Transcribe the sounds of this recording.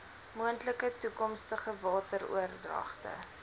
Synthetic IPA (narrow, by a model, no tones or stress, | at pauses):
muəntləkətukɔmstəχəvɑːtəɾṵərdrɐ̰χtə̰